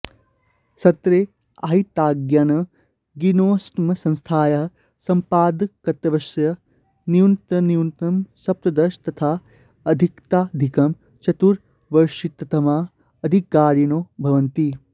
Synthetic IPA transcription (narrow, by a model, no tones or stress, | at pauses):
sɐt̪ɾeː | aɦit̪aːɡjanɐ | ɡinoːsʈmɐsɐ̃nst̪ʰaːjɐɦɐ | sɐmpaːd̪kɐt̪ɐʋɐsjɐ | niunt̪ɐniunt̪ɐmsɐp̚t̪ɐd̪ɐʃt̪ɐt̪ʰaː | ɐd̪ʱikt̪aːd̪ʱikɐm | t͡ʃɐt̪uɾ | ʋɐɾʃit̪ɐt̪ʰɐmaː | ɐd̪ʱikaːɾjɐnoːbʱɐʋɐnt̪i